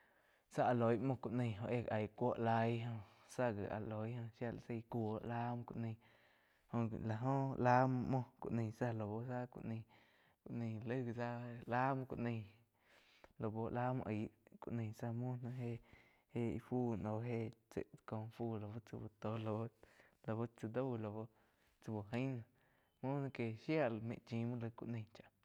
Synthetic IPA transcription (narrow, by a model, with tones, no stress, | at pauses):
sa˦a˧˨lo˨jmõ˧kʷu˧˨ʔnĩ˧˨ɦõ˧ʔe˦˨a˨jkʷo˦ʔla˧˦jɦõ˧ | sa˦ɡi˨a̰˨lo˨jhõ˧ʃja˧˨sa˧kʷo˨o˨˦la˦m˧kʷṵ˧˨ʔnĩ˧˨ | ho˧˨la˧ɦõ˦la˦m˧mõ˧kʷṵ˨ʔnĩ˧˨sa˦lo˨bo˧sa˦kʷṵ˧ʔnĩ˧ | ku˧˨ʔnĩ˧˨lə˦ɡsa˦la˦mõ˧kʷṵ˧ʔnĩ˧ | lo˧bo˧la˦mõ̰˧ʔi˨˦kṵ˧ʔnẽ˧˨sa˧mũ˦nã˧ɦe˧ | he˦˧fu˦no˨ɦe˦t͡sḛ˨ʔko˧fu˦˧˨lo˧˨bo˦t͡sḭ˧bo˧t̪o˧˦lo˧bo˦lo˧bo˦t͡sə˧d̪o˦˧lo˧bo˦ | t͡sə˧bo˨ɦə̃˦nã˧ | mũ˦nã˧ke˧˨ʃja˦˧˨lmḛ̃˧˨t͡ʃĩ˧˦mõ˦lə˧kṵ˧ʔnẽ˧˨t͡ʃa˨ʔ